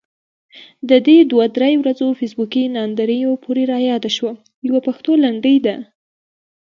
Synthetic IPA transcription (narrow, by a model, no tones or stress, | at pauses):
d̪əd̪ed̪wad̪ɾajwɾad͡zofesbukinɑnd̪aɾəjopʰoɾeɾɑjɑd̪aʃwa | jawapaxt̪olaɳɖəjd̪a